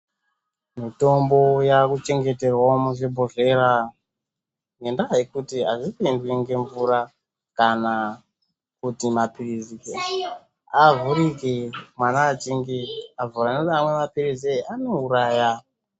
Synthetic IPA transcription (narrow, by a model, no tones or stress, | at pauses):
mito̞mbo̞jakut͡ʃe̞ŋɡe̞te̞rwamuʐibʱoʐe̞ra | ŋɡendajekutiaʐipindwiŋɡe̞ɱvuɾa | kana | kutimapirizike | avuɾikemwanaːt͡ʃiŋɡiavuraneamwe̞mapiriziano̞uɾaːja